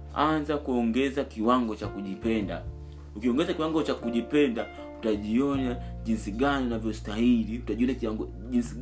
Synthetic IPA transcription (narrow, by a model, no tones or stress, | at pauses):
anzakuɔŋɡɛzakiwaŋɡɔt͡ʃakuʄipɛnda̰ | ukiɔŋɡɛzakiwaŋɡɔt͡ʃakuʄipɛnda | u̥taʄiɔnaɟinsiɡanɔnavjɔstahiliu̥taɟiɔnakiaŋɡɔ | insi